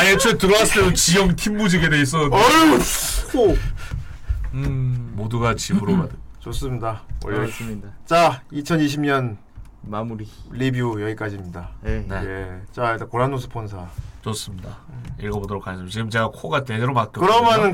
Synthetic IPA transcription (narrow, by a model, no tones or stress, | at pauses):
ajet͡ɕʰotɯɾʌas͈ɯesot͡ɕijʌŋtʰimbud͡ʑiɡedees̬͈ʌ | o | moduɡat͡ɕibɯɾomadɯt͡ɕos͈ɯmɲidawʌ̰ | t͡ɕait͡ɕʰʌniɕʰimɲʌn | amuɾilibiojʌɡik͈ad͡ʑimɲidanejet͡ɕaetakoɾanːos̬ʰɯ̥pʰonsʰat͡ɕos͈ɯmɲidaiɭɡʌbodʌɾokʰaɲis͈ɯmt͡ɕiɡɯmt͡ɕe̞ɡakʰoɡatedeɾomak͈jʌkɯɾʌmjʌnɯn